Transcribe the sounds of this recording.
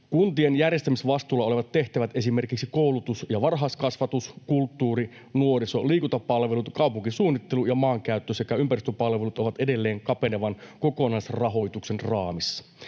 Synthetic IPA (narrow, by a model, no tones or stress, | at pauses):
kunt̪ienjærjest̪æmisʋɑst̪uːlɑo̞leʋɑt̪t̪ːe̞ht̪æʋæt̪e̞sime̞rkiksiko̞wlut̪usjɑʋɑrɦɑskɑsʋɑt̪uskult̪ːuːɾi | nuo̞ɾiso̞liːkunt̪ɑppɑlʋelut̪kɑupuŋkisuːnːit̪ːelujɑmɑːŋkæyt̪ːøsekæympærist̪øpɑlʋelut̪oʋɑt̪ede̞lːeːŋkɑpe̞neʋɑnko̞ko̞nɑisrɑɦo̞jt̪uksenrɑːmisːɑ̥